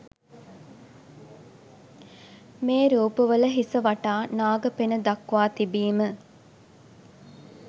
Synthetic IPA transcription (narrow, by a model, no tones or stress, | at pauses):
meːɾuːpəʋələɦisəʋaʈaːnaːɡəpenəd̪ɐkʋaːt̪ibiːmə